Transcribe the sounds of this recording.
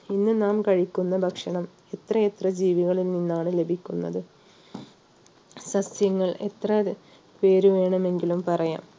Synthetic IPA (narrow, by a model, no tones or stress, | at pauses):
inːɨnaːmkɐɻikʲːunːɐbʱɐkʂɐɳɐm | e̞t̪rɐet̪rɐd͡ʑiːʋiɣɐɭilninːaːɳɨle̞bʱikʲːunːɐ̰ðɨ | ɕɐsjɐŋːɐɭe̞̰t̪rɐ | pe̞ːɾuʋe̞ːɳɐme̞ŋɡilumpɐrɐja̰ːm